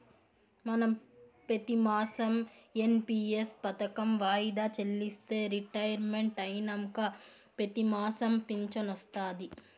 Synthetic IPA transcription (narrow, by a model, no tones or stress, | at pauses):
mɐnɐmpet̪imaːsɐmenpiːespɐt̪ɐkɐmʋaːjd̪aːt͡ʃelːist̪eɾiʈɐjɐɾmeɳʈɐjnɐmkɐ | pet̪imaːsɐmpiɲt͡ʃɐnɐst̪aːd̪i